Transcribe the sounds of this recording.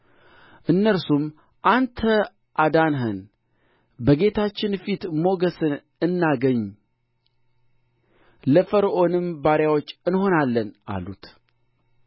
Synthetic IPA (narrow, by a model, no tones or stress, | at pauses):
ʔɨnːəɾsum | ʔant̪ʰə | ʔad̪anɦɨn | bəɡe̞t̪ʰat͡ʃːɪnfit̪mo̞ɡəsɨn | ɨnːaɡəɲː | ləfəɾʔo̞nɨmbaɾjawot͡ʃːɨnho̞nalːəna̰lṵt̪